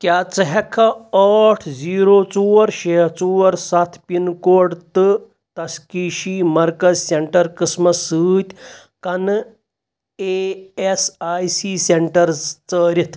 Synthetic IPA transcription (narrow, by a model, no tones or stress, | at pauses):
kjat͡sɐɦɛkʰaəʈʰd͡ziɾot͡suʋəɾɕet͡suʋəɾsat̪ʰpinkoɽt̪ɨ | t̪ɐskiɕimɐɾkɐzseɳʈəɾkismɐsɨːt̪ʲ | kɐn | eesajsiseɳʈəɾt͡səɾit̪ʰ